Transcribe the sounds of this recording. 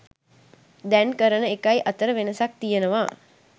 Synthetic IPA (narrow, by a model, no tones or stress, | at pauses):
d̪ɛnkəɾənəekajiʔat̪əɾəʋenəsak̚t̪ijənəʋaː